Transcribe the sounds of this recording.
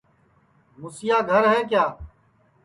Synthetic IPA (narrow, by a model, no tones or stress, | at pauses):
mʊsɪjaːɡʱəɾɦɛ̃ːk̬jaː